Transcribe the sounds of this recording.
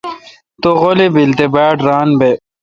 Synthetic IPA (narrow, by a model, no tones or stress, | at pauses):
t̪oɣolibilt̪ebaːɖɾaːnbe